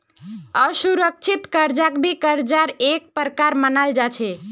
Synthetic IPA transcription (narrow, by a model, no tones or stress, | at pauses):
əsuɾək̚t͡ʃʰit̪kəɾd͡ʒakbʱikəɾd͡ʒaɾek̚pɾkaɾmənald͡ʒat͡ʃʰɛ